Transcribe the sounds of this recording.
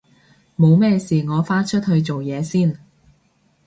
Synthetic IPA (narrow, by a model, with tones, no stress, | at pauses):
mo˨˧wmɛː˥˧siː˨˩ŋɔː˨˧faː˥t͡ʃʰɵ˥t̚hɵ˧ɥt͡so˨wjɛː˨˧siː˥˩n